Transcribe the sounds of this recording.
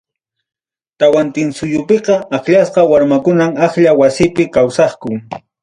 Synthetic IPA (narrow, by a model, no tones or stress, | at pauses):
t̪awant̪ɪnsʊjʊpeqɑakʎasqɑwaɾmakʊnamaxʎawasɪpɪkawsɑχkʊŋ